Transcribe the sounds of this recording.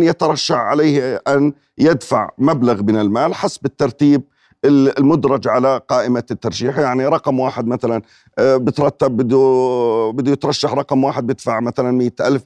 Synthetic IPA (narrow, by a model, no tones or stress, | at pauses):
njat̪ɑɾˤɑʃːaħʕa̰leːhʔan | jɪd̪fa̰ʕmablaɣmɪnɪlmaːlħasːbɪt̪ːɑɾˤt̪iːb̚ | ɪɪlmʊd̪ɾˤɑd͡ʒʕalaqɑːʔɪmat̪ːɑɾˤʃiːħjaʕniɾˤɑqmwaːħɪd̪maθalan | bɪt̪ɾˤɑt̪ːabːɪd̪ubɪd̪ujɪt̪ɾˤɑʃːaħɾˤɑqmwaːħɪd̪̚bjɪd̪̥faʕmaθalanmɪjːat̪ʔalf